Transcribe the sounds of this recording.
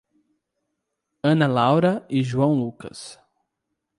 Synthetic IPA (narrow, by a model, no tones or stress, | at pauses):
ɐ̃nɐlawɾɐɪʒuɐ̃w̃lukɐ̰s